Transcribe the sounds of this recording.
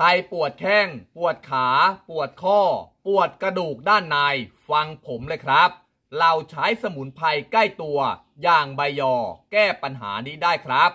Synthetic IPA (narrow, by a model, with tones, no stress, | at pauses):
kʰa˧jpu˨˩ət̪̚kʰɛː˥˩ŋpu˨˩ət̪̚kʰaː˩˦pu˨˩ət̪̚kʰɔː˥˩pu˨˩ət̪̚kɾa˧duː˨˩k̚daː˥˩nːaː˧j | fa˧ŋpʰo˩˦mlɤː˧jkʰɾa˦˥p̚ | la˧wt͡ɕʰa˦˥jsa˧mu˩˦npʰa˧jka˥˩jt̪u˧ɐ | jaː˨˩ŋba˧jːɔː˧˩kɛː˥˩pa˧nɦa̰ː˩˦niː˦˥˩daː˥˩jkʰɾa˦˥p̚